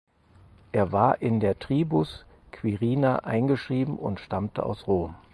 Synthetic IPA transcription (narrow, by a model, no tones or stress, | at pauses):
ʔeːɐvaːɐʔɪndeːɐtʁ̥iːbus | kʰv̥iʁiːnaʔa̰ɪnɡəʃʁ̥iːbm̩ʊ̰ntʃtamtə̰ʔa̰ʊsʁoːm